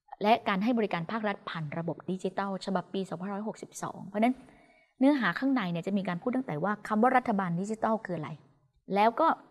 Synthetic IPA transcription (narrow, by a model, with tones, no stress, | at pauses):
lɛ˦˥ʔkaː˧nɦa˥˩jbɔː˧ɾi˦kaː˧npʰaː˥˩k̚ɾa˦˥t̪̚pʰaː˨˩nɾa˧bo˨˩p̚di˦˥t͡ɕi˧˦t̪ɔː˥˩wt͡ɕʰa˧ba˨˩pːiː˧sɔː˩˦pʰa˧˩˨ɾɔː˦˥jho˨˩k̚si˨˩p̚sɔ̰ː˩˦ŋpʰɔ˧˦˥na˦˥n | nɯ˦˥ɐɦaː˩˦kʰaː˥˩ŋna˧jni˥˩ət͡ɕa˨˩ʔmiː˧kaː˧npʰuː˥˩t̪ːa˥ŋ˩t̪ɛː˨˩waː˥˩kʰa˧mwaː˥˩ɾa˦˥t̪ʰːa˧baː˧ndi˧˦˥t͡ɕi˦t̪ɔː˥˩wkʰɯː˧ʔa˧ɾa̰˧j | lɛː˦˥wkɔː˥˩